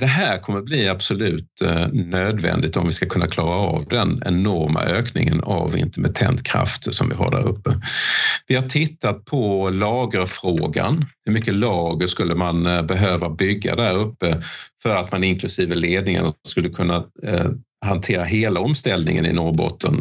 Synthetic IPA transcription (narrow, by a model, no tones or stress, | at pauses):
d̪̥ɛɦæːɾkʰɔmːəbliːab̥sɔlʉ̟ːt̪nøːd̪vɛ̰nd̪ɪt̪ɔmvɪskakʰɵnːakʰlɑːɾaɑvd̪ɛnɛnɔɾma̰ʔøːknɪŋəna̰vɪ̰nt̪ɛɾmɛt̪ʰɛ̰nt̪kʰɾa̰ft̪sɔmvɪ̰ɦa̰ɖæ̰ːɾɵpːə | vɪhaʈʰɪt̪ːat̪̚pʰɔlɑːɡəɾfɾoːɡanhɵmʏkːəlɑːɡəʂkɵlːəmanbɛɦøːvabʏɡːa̰d̪æɾɵpːəfœɾat̪manɪnkʰlɵsiːvəleːd̪nɪŋa̰naskɵlːəkʰɵnːa | hant̪ʰeːɾaɦeːlaɔmst̪ɛld̪nɪ̰ŋə̰nɪ̰nɔbɔ̰t̪ʰːən